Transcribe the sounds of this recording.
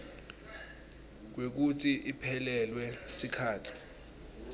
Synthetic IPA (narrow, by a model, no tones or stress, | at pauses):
k̬wek̬utʰiʔipʰɛlɛlwɛsikʰaːtʰi̥